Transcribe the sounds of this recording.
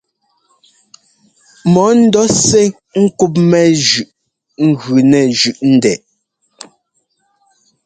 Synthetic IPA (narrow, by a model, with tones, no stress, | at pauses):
mɔ˨˦n̩˦dɔ˦sɛ˦ | ŋ̩˦ku˦p̬̚mɛ˦ʒʉ˨ʔ | ŋ̩˦ɣʉ˨nɛ˨ʒʉ˨ʔn̩˦dɛ˨